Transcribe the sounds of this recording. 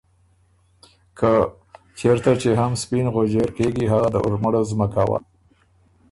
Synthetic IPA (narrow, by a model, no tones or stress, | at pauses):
kʰə | t͡ʃeɾt̪at͡ʃeɦamspinɣod͡ʒeɾkeɡiɦaɣad̪əʔʊ̰ɾməɽozməkawa̰